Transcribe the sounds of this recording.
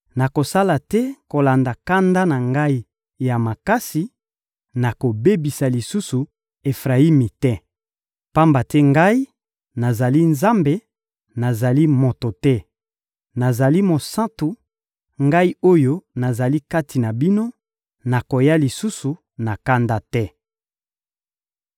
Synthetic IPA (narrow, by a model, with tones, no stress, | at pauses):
na˨ko˨sa˦la˨tɛ˦ko˨la˨nda˨ka˦nda˦na˨ŋɡa˦i˦ | ja˨ma˨ka˦si˨ | na˨ko˨be˦bi˨sa˨li˨su˦su˨ | e˨fʁa˨i˦mi˨tɛ˦ | pa˦mba˨tɛ˦ŋɡa˦i˦ | na˨za˨li˦nza˦mbe˨ | na˨za˨li˦mo˨to˨tɛ˦ | na˨za˨li˦mo˨sã˦tu˨ | ŋɡa˦i˦o˦jo˦na˨za˨li˦ka˦tʰi˨na˨bi˦no˦ | na˨ko˨ja˦li˨su˦su˨ | na˨ka˦nda˦tɛ˦